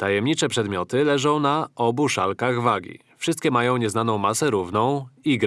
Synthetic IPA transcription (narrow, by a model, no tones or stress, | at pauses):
t̪ajɛmɲit͡ʂɛpʂɛd̪mʲjɔt̪ɘlɛʐɔ̃w̃naʔɔbuʂalkaɣvaɡʲḭ | fʂɘst̪̚kʲɛmajɔ̃w̃ɲɛznanɔ̃w̃masɛɾuvnɔ̃w̃iɡɾ